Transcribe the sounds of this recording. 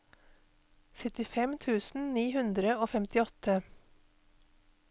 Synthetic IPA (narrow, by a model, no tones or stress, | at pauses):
sɛt̪ɪfɛmt̪ʰʉːsn̩niːhʉnd̪ɾəoːfɛmt̪ɪɔt̪ʰə